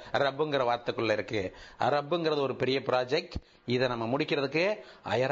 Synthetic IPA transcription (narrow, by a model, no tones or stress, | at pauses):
ɐɾɐbɯŋɡɪɾɐʋaːɾt̪ːɐkːɯɭlːɐɪɾɯkːɯɐ̰ɾɐbːɯŋɡɪɾɐðɯɔɾɯpɛɾɪjɐpɪɾaːd͡ʒɛk̚ʈ | ɪðɛnɐmːɐmʊɽɪkːɪɾɐðɯkːɯɐ̰jɐɾ